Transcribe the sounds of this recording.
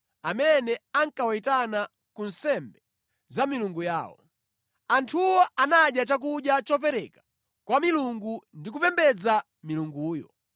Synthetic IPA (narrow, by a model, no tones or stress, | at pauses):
amɛnɛaŋkawaitana | kunsɛmbɛ | zamiluŋɡujaːwɔ̰ | antʰuwɔʔanaɗjat͡ʃak̬uɗjat͡ʃɔpɛɾɛkḁ | kwamiluŋɡundik̬upɛmbɛd͡za | miluŋɡuːjɔ̰